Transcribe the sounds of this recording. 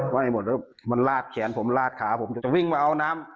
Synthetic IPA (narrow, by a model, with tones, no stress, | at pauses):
maː˧˩˨a˧˩mo˨˩t̪̚ː | ma˧˨nlaː˧˩t̪̚kʰɛː˩˦npʰo˩˦m˧laː˧˩t̪̚kʰaː˨˩˦pʰo˨˩˦mt͡ɕa˨˩t͡ɕa˨˩wi˥˩ŋmaː˧ʔa˧wnaː˦˥m